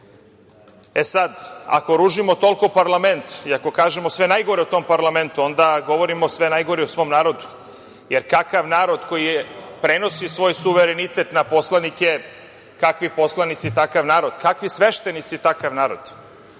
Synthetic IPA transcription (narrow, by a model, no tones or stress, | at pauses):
e̞sad̪a̰ko̞ɾuʒimo̞t̪o̞lkopaɾlˠame̞nt̪iako̞kaːʒemo̞sʋe̞najɡo̞ɾeot̪o̞ːmpaɾlame̞nt̪uo̞nd̪aɡo̞ʋo̞ɾimo̞sʋe̞najɡo̞ɾiosʋo̞ːmnaːɾo̞d̪u | jeɾkakaʋnaːɾo̞d̪ko̞jipɾe̞no̞sisʋo̞ːjsuʋeɾenit̪et̪napo̞slˠanikje | kakʋipo̞slˠanit̪sit̪akaʋnaːɾo̞d̪kakʋisʋe̞ʃt̪enit̪sit̪akaʋnaːɾo̞̰d̪̥